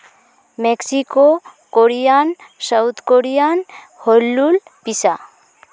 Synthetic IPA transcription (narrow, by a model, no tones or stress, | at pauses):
meksiko | koɾijansawt̪ʰkoɾijan | hɔlːulpisa